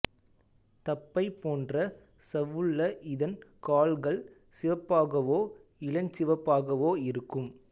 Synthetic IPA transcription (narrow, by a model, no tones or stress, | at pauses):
t̪ɐpːɐɪpːoːndrɐ | sɐʋɯɭːɐʔɪðɐnkaːlɣɐɭ | sɪʋɐpːaːɣɐʋoːɪlɐɲt͡ʃɪʋɐpːaːɣɐʋoːɪɾɯkːɯm